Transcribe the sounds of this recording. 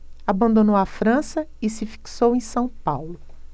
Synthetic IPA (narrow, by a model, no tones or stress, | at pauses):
abɐ̃nd̪õnowafɾɐ̃sɐɪsɪfi̥ksowẽj̃sɐ̃w̃pawlʊ